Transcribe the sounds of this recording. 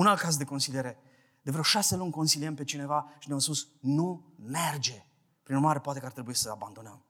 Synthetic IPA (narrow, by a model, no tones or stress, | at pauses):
unalt̪̚kazd̪e̞ko̞nsilieɾe̞ | d̪evɾəwʃase̞lunʲko̞nsiliempe̞t͡ʃine̞vaʃineamspusnume̞rd͡ʒe̞ | pɾinuɾmaɾe̞poat̪ekəart̪ɾebuisəaband̪o̞nəm